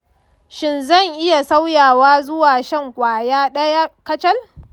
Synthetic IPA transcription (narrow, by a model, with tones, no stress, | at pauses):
ʃɪ˦nzɐ˦˨ŋʔɪ˦ja˨sa˦wjaː˨waː˦zʊ˦waː˨ʃɐ˦ŋkʷʼaː˨jaː˦ɗɐ˦jaː˦kɐ˦t͡ʃɐ˦l